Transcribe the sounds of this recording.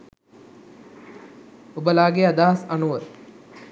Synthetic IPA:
obəlaːɡead̪aːɦɐsanuʋət̪

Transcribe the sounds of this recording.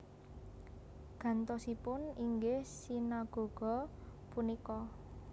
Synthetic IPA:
ɡ̥a̤nt̪ɔsipʊniŋɡehsinaɡ̥o̤ɡ̥ɔ̤punikɔ

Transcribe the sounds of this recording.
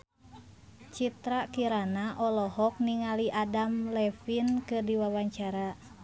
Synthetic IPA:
t͡ʃit̪ɾakiɾanaʔɔlɔɦɔk̚niŋaliʔadamlɛfinkɨrdiwawaɲt͡ʃaɾa

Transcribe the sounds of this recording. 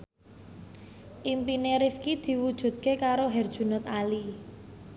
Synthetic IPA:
ʔimpineɾifkid̪̥i̤wud̥ʒ̥ṳt̪̚kekaɾoɦɛrd̥ʒ̥ṳnʊt̪ali

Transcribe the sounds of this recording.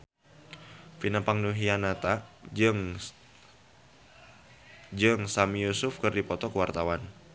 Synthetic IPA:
finapaŋduɦianat̪ad͡ʒɨŋ | d͡ʒɨŋsamijusʊfkɨrdipɔt̪ɔkəwart̪awan

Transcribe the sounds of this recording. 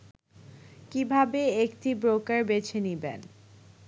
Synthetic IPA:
kibʱabeektibɾokaɾbet͡ɕʰenibḛn

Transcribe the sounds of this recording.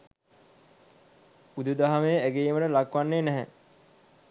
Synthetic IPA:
ud̪ud̪aɦameæɡeːməʈəlakʋanːeːnæɦɛ

